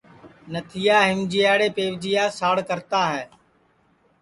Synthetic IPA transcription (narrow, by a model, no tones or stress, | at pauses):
nət̪ʰɪjaːɦɪmd͡ʒijaːɽeːpeːʋd͡ʒijaːsaːɽkəɾt̪aːɦɛː